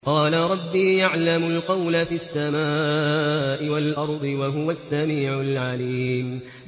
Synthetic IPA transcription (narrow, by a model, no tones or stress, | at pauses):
qɑːlaɾˤɑbːiːjaʕlamʊlqɑwlafiːasːamaːʔɪwalʔɑɾˤd̪ˤɨwaɦʊwasːamiːʕʊlʕaliːm